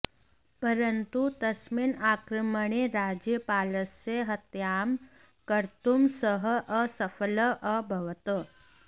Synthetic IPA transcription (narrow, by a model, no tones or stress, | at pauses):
pəɾənt̪ut̪əsmiːnakɾəməɳ̃eɾad͡ʑjəpaləseɦət̪jam | kəɾt̪umsəɦəʔəsəfələʔəbʱəʋt̪ə